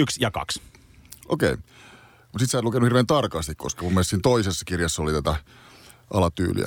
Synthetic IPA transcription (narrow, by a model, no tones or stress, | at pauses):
yksjɑkɑ̰ks | ʔo̰kei | mut̪sit̪sæːt̪lukenuhirʋeːnt̪ɑrkɑst̪iko̰skɑmumːest̪iːnt̪oisesːɑ̥kirjɑsːolit̪æt̪æ | ʔɑlɑt̪y̰ːlḭæ̰